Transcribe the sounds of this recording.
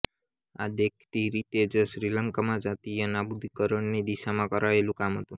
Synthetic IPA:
ad̪ekʰt̪iɾit̪ed͡ʒəʃɾiləŋkamãd͡ʒat̪ijənabud̪ʱikəɾəɳnid̪iʃamãkəɾaelũkamɦət̪ũ

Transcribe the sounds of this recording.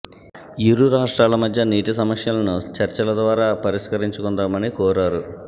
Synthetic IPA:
jiɾuɾaːʂʈɾaːlɐmɐd̪ʱjɐniːʈis̬ɐmɐsjɐlɐnut͡ʃɐɾt͡ʃɐlɐd̪ʋaːɾaːpɐɾiskɐɾiɲt͡ʃukund̪aːmɐnikɔːɾaːɾu

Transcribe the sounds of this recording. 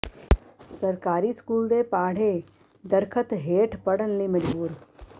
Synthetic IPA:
sɐɾkaːɾiskuːld̪epaːɽ̤e | d̪əɾkʰət̪ɦeːʈʰpɐɽənlimɐd͡ʒbuːɾ

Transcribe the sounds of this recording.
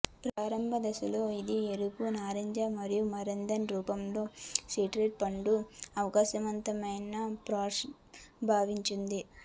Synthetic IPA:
pɾaːɾɐmbʱɐd̪ɐsuloːid̪ieɾukunaːɾɐɲd͡ʒaːmɐɾijumɐɾɐnd̪ɐnɾuːpɐmlo̞ːsiːʈɾeʈ̚pɐɳɖuɐʋɐkaːʃɐmɐnt̪ɐmɐjnɐpɾaːʂ | bʱaːʋiɲt͡ʃind̪i

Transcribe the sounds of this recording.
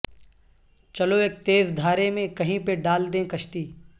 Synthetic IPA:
t͡ʃɐloeːk̚t̪eːzd̪ʱaːɾemẽkɐɦĩpeɖaːld̪ẽkɐʃt̪iː

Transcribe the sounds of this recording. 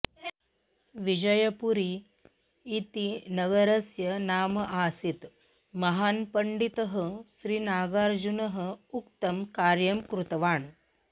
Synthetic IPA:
ʋid͡ʒɐjɐpuɾiː | t̪inɐɡɐɾɐsjɐnaːmɐʔaːsit̪ | mɐɦaːnpɐɳɖit̪ɐɦɐ̆ʃɾiːnaːɡaːɾd͡ʒunɐɦɐ̆ukt̪ɐmkaːɾjɐmkɾut̪ɐʋaːɳ

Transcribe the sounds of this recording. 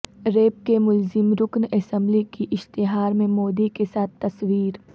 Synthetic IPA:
ɾeːp̚kemʊlzɪmɾʊknɛsə̃mblikiʔɪʃt̪ɪɦaːɾmẽmoːd̪ikesaːt̪ʰːɐswiːɾ

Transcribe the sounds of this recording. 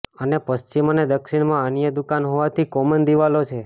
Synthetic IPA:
ənepəst͡ʃimned̪əkʃiɽmãənjəd̪ukanɦoʋat̪ʰikɔmənd̪iʋalot͡ʃʰe

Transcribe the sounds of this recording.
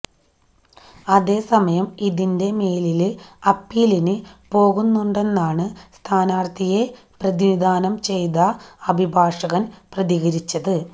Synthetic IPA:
ɐðe̞ːsɐmɐjɐmiðinde̞me̞ːlilɐpːiːlinɨpo̞ːɣunːuɳɖe̞nːaːɳɨst̪ʰaːnaːrt̪ʰije̞ | prɐðinid̪aːnɐmt͡ɕe̞jðɐɐbʱibʱaːʂɐɣɐnprɐðiɣɐɾit͡ɕːɐðɨ

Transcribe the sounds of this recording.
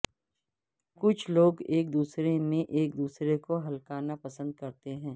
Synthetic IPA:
kʊt͡ʃʰloːɡeːk̚d̪uːsɾeneʔeːk̚d̪uːsɾekoɦɐlkaːnapɐsə̃nd̪̚kɐɾt̪eɦɛ̃ː

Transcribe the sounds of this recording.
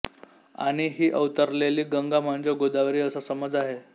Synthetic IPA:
a̰ɽ̃iɦiːʔəʋt̪əɾleliːɡəŋɡam̤əɳd͡zeɡod̪aʋɾiːəsasəməd͡zaɦe

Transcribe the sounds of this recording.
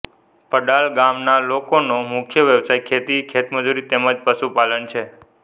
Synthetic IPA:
pəɖalɡamnalokonomʊkʰjəʋjəʋsajkʰet̪ikʰet̪məd͡ʒuɾit̪eməd͡ʒpəʃupalənt͡ʃʰe

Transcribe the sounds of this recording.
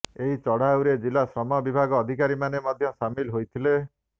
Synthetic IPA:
eɦit͡ʃɔɽ̤awɾed͡ʒilasɾɔmɔbibʱaɡɔːd̪ʱik̬aɾimanemɔd̪ʱjɔsamilɦojt̪ʰile

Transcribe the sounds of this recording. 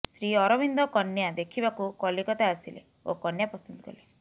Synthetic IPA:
sɾiɔɾɔbind̪ʱɔkɔnjad̪ekʰibakukɔlikɔt̪aːsilḛ | o̰kɔnjapɔsɔnd̪ɔɡɔ̰le

